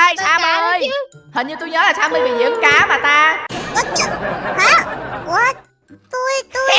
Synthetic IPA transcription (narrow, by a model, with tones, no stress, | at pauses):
jaː˧m˧əː˧jhə˨˩nɲɨ˧t̪u˧jɲəː˨˦laː˨˩saː˧wmə˨˩vi˨˩ɲḭ˨˧˦əmkaː˨˦maː˨˩t̪aː˧kt̚ha˨˦˥a˨˧˦ | t̪u˧jt̪u˧